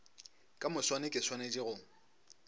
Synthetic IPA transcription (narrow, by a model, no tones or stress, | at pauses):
kʼamʊswanɪkʼɪswaned͡ʒiɣʊŋ̩